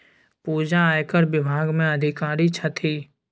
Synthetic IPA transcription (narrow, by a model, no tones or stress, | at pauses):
puːd͡ʒaːjkəɾbɪbʱaːɡmẽəd̪ʱɪkaːɾit͡ʃʰət̪ʰiː